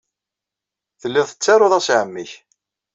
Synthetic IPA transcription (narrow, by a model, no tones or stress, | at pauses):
θəlːɪðˤθət͡sːɑɾoðˤæsʕəmːiç